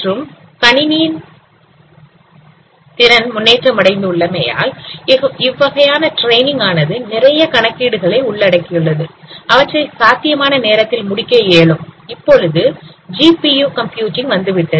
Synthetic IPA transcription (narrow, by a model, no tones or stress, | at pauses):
ʈrɯm | kɐɳɪniːn | t̪ɪɾɐnmʊnːeːʈrɐmɐɽɐɪnd̪ɯʊɭːɐmeːja̰ːl | ɪʋːɐɣɐjaːnɐʈɾeɪnɪ̃ŋɡaːnɐðɯnɪɾɐjɐkɐɳɐkːiːɽɯɣɐɭɐɪʊɭːɐɽɐkːɪjɯɭːɐðɯɐʋɐʈrɐɪsaːt̪ːɪjɐmaːnɐneːɾɐt̪ːɪlmʊɽɪkːɐjeːɭɯmɪpːɔɻɯðɯd͡ʒiːpijuːkɐmpjuːʈɪŋɡʋɐnd̪ɯʋɪʈːɐ